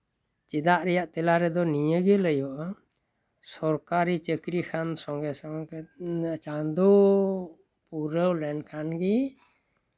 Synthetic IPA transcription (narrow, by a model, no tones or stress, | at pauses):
t͡ʃid̪aʔɾɛjaʔt̪ɛlaɾɛd̪ɔnijəɡələjɔʔa | sɔɾkaɾit͡ʃəkɾikʰansɔŋɡɛsɔŋ | t͡ʃand̪ɔ | puɾəwlɛnkʰanɡi